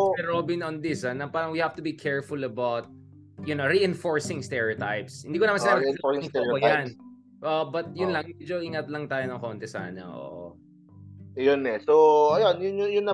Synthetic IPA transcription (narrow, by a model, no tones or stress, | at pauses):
ɛɾobɪnɔ̃nd̪ɪsɐnɐpaːɾɐŋwihaft̪ʊbikʰɛɹfʊlɐbawt̪̚ | jʊnoɾiɪ̃nfoɹsɪ̃ŋst̪ɛɹiot̪a̰jpshɪnd̪iːkonɐmansɪnaːbɪɪŋŋɛojan | ʔobɐt̪̚jʊnlɐŋmɛd͡ʒoʔiːŋɐt̪lɐŋt̪aːjonɐŋkont̪ɛsa̰ːnɐ̰ʔo̰ʔo̰ | jonɛsoɐjonjʊnjʊjʊnːɐ